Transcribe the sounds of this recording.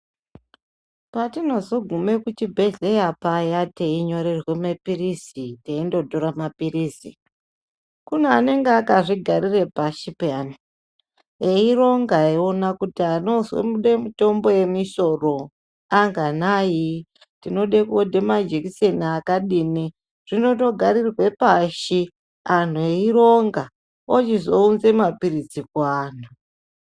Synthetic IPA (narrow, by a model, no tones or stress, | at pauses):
patino̞zo̞ɡʱume̞kut͡ʃibʱe̞ɮejapajateiɲo̞ɾe̞rwe̞mapirisiteindo̞dʱoɾamapiɾisi | kuneane̞ŋɡeakaʐiɡʱaɾire̞paʃipeani | eiro̞ŋɡaio̞nakutiano̞zwḛmuɗemito̞mbo̞je̞miso̞ro̞ | aŋɡanaji | tino̞ɗekuodʱemad͡ʒekiseniakaɗiːni | ʐ̥ino̞to̞ɡʱaɾirwe̞paʃi | an̤ueiɾo̞ŋɡa | ot͡ʃizo̞unze̞mapiɾid͡zikwaːn̤u